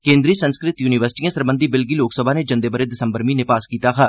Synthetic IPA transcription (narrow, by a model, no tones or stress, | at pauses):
kẽːnd̪ɾiːsənskɾɪt̪juːniʋəɾsɪ̥ʈiːãːsəɾbənd̪iːbɪlɡiːloːksəbʱaːneːd͡ʒə̃nd̪eːbəɾeːd̪ɪsəmbəɾmĩːnɪpaːskiːt̪aːkʰaː